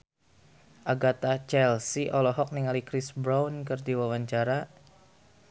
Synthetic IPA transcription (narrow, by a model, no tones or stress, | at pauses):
ʔaɡat̪at͡ʃɛlsiʔɔlɔɦɔk̚niŋalikɾisbɾawnkɨrdiwawaɲt͡ʃaɾa